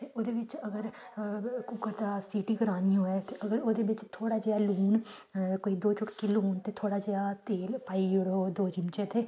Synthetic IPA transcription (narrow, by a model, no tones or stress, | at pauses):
t̪eːoːd̪eːʋɪt͡ʃəɡəɾ | kʊkəɾt̪aːsiːʈiːkəɾaːniːɦoːɛːt̪eːʔəɡəɾoːd̪eːʋɪt͡ʃt̪ʰoːɽaːd͡ʒeːaːluːn | koːiːd̪oːt͡ʃʊʈkiluːnt̪eːt̪ʰoːɽaːd͡ʒeaːt̪eːlpaːiːʊɽoːd̪oːd͡ʒɪmt͡ʃet̪ʰeː